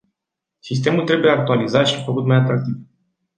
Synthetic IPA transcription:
sis̬t̪e̞mult̪ɾe̞buje̞ak̚t̪ualizat̪ʃifəkut̪majat̪ɾak̚t̪iv

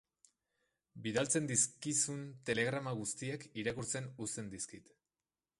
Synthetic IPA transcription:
biðalt͡se̞nd̪iskisunt̪e̞le̞ɣ̞ɾamaɣ̞ust̪iekiɾakuɾt͡se̞nust̪e̞nd̪iskit̪

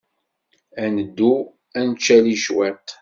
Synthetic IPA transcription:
ænəd̪ːu | ænt͡ʃːæliʃwɛt̪

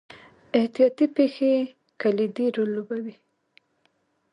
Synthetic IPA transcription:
ɪht̪ijɑt̪ipexe | kalid̪iɾolːobawi

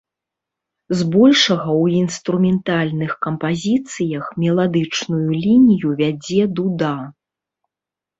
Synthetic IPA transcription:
zbɔlʲʂɐɣɐwinst̪ɾumʲɛnt̪alʲnɨxkɐmpazʲit̪sɨjɐxmʲɛlˠad̪ɨt͡ʂnujulʲinʲijuvʲad͡zʲɛd̪ud̪a

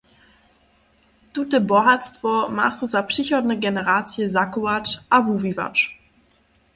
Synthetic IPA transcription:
tutɛbɔɦatstvɔma̰ːsɔzapʂiçɔdnɛɡɛnɛʁaːt͡sjəzakuat͡ʃʔavuviva̰t͡ʃ

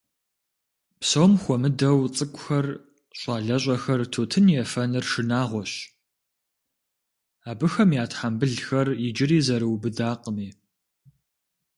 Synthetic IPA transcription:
psowmxʷɔmɨdɐwt͡sʼɨkʷʼʊxɐr | ɕʷʼɑːɮɐɕ̬ʼɐxɐrtʰoːtʰɨnjɛfɐnɨrʂɨnaːʁʷɔɕ | aːbɨxɐmjaːtħambɨɮxɐrjɪd͡ʒɪɾiːzɐɾɨwbɨdaːqəmiː

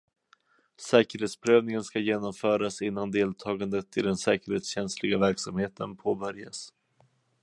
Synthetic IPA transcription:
sɛːkəɾheːt̪spʰɾøːvnɪŋənskajeːnɔmfœːɾasɪnːand̪eːlt̪ʰɑːɡand̪ət̪ɪd̪ɛnsɛːkəɾheːt̪sɕɛnslɪɡavæɾksamheːt̪ʰənpʰoːbœɾja̰s

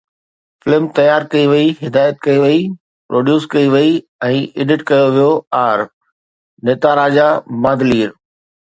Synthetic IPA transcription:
fɪlmt̪ɐjaːɾkɐiʋɐiɦɪd̪aːjət̪̚kɐiʋɐi | pɾʔoːɖjuːskɐiʋɐi | ɛ̃ːʔɪːɖɪʈkɐjoʋijoaːɾ | neːt̪aɾaːd͡ʑamãːd̪liːɾ

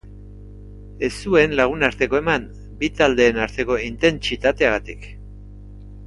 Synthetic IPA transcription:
e̞sue̞nlaɣ̞unaɾt̪e̞ko̞e̞mam | bit̪ald̪e̞ːnaɾt̪e̞ko̞int̪e̞nt͡ʃit̪at̪e̞aɣ̞at̪ik

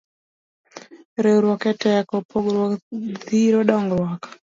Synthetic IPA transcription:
ɾewɾwɔkɛtɛkɔpoɡɾwɔðiɾoɗɔŋɡɾwakḁ

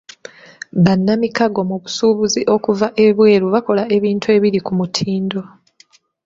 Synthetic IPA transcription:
βanːamikaɡo̞muβusuːβuziʔo̞kuvaʔe̞βwe̞ːɾuβako̞lae̞βiːntue̞βiɾikumutʰiːndo̞

